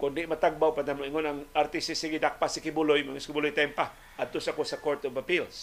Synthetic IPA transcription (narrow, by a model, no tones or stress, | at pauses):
kʊndɪʔmat̪aɡ̚bawpanamoʔiŋonaŋaɾt̪isɪsiɡɪd̪ak̚pasɪkɪbulʊjmaŋaskɪbulʊjt̪ajmpa | ʔad̪̚t̪osakosakoɾt̪obapils